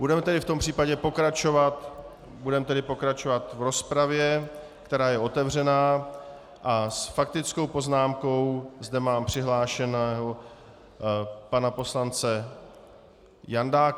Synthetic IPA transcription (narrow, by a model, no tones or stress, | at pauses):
budɛmɛt̪ɛdɪft̪o̞mpr̥iːpaɟɛpo̞kɾat͡ʃo̞vat̪ | budɛmt̪ɛdɪpo̞kɾat͡ʃo̞vat̪vɾo̞spɾavjɛ | kt̪ɛɾaːjɛo̞t̪ɛvr̝ɛnaː | ʔasfak̚t̪ɪt͡sko̞wpo̞znaːmko̞wzdɛmaːmpr̝̥ɪɦlaːʃɛnɛːɦo | panapo̞slant͡sɛ | jandaːk